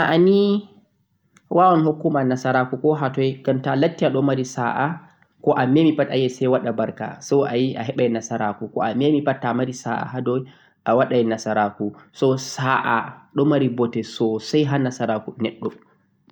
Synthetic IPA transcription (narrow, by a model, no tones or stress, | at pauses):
ʔaʔani | wʔawɔnhokːumanasaɾakukɔɦatɔjɡ̥amtalatːiaɗɔmaɾisa̰ʔa | kɔʔamemipata̰jɛsajwaɗabaɾka̰sɔwʔajiʔaɦɛɓajnasaɾakukɔ̰amemipatːamaɾisaʔa̰ɦadɔj | ʔawaɗajɛnasaɾakusɔsaʔaɗɔmaɾibɔtɛsɔsajɦanasaɾakunɛɗːɔ